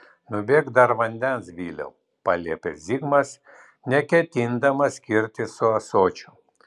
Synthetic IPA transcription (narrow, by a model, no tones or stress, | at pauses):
nʊbʲeːkd̪ɐɾʋɐnʲd̪ʲɛnsʋʲiːlʲɛ̰ʊ | pɑlʲiɛpʲɛzʲiɡmɐs | nʲɛkʲɛt̪ʲɪnd̪ɐmɐsʲkʲɪɾʲt̪ʲɪsʊɐsoːt͡ʃʲʊ